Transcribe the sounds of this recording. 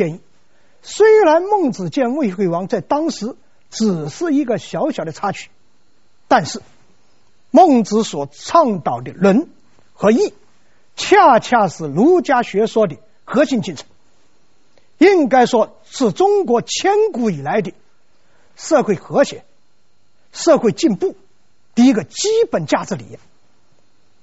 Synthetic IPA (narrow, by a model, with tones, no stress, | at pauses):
ɛ˥˧ni˥˩ | swe˥ɪɻa˧˥nmə˥˩ŋt͡sɹ̩˨˩t͡ɕjɛ˥˧nwe˥˧ɪxwe˥˩ɪwɑ˧˥ŋt͡sa˥˩ɪt̪ɑ˥ŋʂɻ̩˧˥ | ʈ͡ʂɻ̩˨˩ʂɻ̩˥˩i˧˥ɡə˥˧ɕjɑ˧˥ʊɕjɑ˨˩ʊd̪t͡sʰa˥t͡ɕʰy̥˥˩ | t̪a˥˧nʂɻ̩˥˩ | mə˥˩ŋt͡sɹ̩˧˥swɔ˨˩t͡sʰɑ˥˧ŋt̪ɑ˨˩ʊd̪ə˧lwə˧˥n | xɤ˧˥i˥˩ | t͡ɕʰja˥˧t͡ɕʰja˥˧ʂ̩˧˩lu˧˥t͡ɕja˥ɕɥɛ˧˥ʂwɔ˥d̪ə˨˩ | xɤ˧˥ɕi˥˧nt͡ɕi˥˩nt͡sʰə̥˧˥n | i˥ŋka˥ɪʂwɔ˥ | ʂɹ̩˥˩ʈ͡ʂʊ˥ŋkwɔ˧˥t͡ɕʰjɛ˥nku˧˥i˨˩la˧˥ɪd̪ə˥˧ | ʂɤ˥˧xwe˥˩ɪxɤ˧˥ɕjɛ̰˧˥˦n | ʂɤ˥˧xwe˥˧ɪt͡ɕi˥˧npu˥˩ | t̪i˥˩i˧˥ɡə˧t͡ɕi˥pə˨˩nt͡ɕja˥˩ʈ͡ʂɹ̩˧˩lḭ˨˩˥